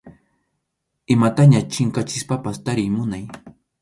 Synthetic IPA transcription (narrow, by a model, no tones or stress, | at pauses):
ɪmat̪aɲat͡ʃɪŋkat͡ʃɪspapast̪aɾɪjmʊnaj